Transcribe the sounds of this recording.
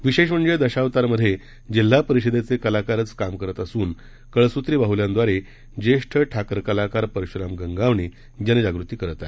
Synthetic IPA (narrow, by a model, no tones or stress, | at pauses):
ʋiɕeɕ̬məɳd͡ʑed̪əɕaʋt̪aɾməd̪ʱːje | d͡ʑil̤ːapəɾiɕəd̪et͡sekəlakaɾət͡skamkəɾət̪əsuːn | kəɭsut̪ɾiːbaɦuljãnd̪ʋaɾe | d͡ʑeʂʈʰəʈʰakɾəkəlakaɾpəɾiɕɾamɡəŋɡaʋɳi | d͡ʑaned͡ʑaɡɾut̪iːkəɾət̪a